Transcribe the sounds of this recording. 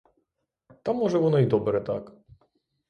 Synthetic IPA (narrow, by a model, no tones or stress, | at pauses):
t̪amːɔʐɛvɔnɔid̪ɔbɾɛt̪ak